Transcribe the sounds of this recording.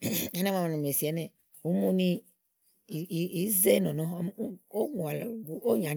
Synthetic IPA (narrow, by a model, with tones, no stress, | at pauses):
ɛ˨˦nã˦ma˨mã˨n˨m˨e˨si˨ɛ˨˦nɛ̃˦˨ | wu˦mu˦nĩ˦˨ | i˨˦ze˦nɔ̃˨nɔ̃˦m˦o˦ŋu˨a˨lbu˨o˦ɲ˨ã˨